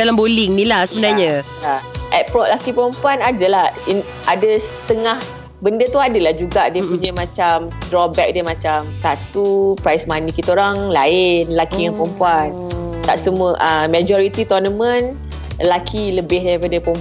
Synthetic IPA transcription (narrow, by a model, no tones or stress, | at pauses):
alambolɪŋnilahsəbənaɲa | aʔɛpɾɔʔlakipəɾɔmpuanadalahin | ʔadəsət̪əŋah | bəndət̪uadəlahd͡ʒuɡaʔdiəpuɲamãt͡ʃamdɾɔpbɛk̚dəmãt͡ʃamsat̪upɾajsmanikit̪oɾaŋlaɪnlakijaŋpəɾɔmpuan | t̪aʔsəmũəʔəmad͡ʒɔɾit̪it̪ɔrnəmə̃n | lakʰiləbɪhdapədəpɔm